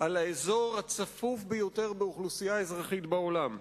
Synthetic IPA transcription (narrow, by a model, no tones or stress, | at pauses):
alaezo̞ʁhat͡safufbejo̞t̪e̞ʁbeuχlusijaezʁaχit̪bao̞lam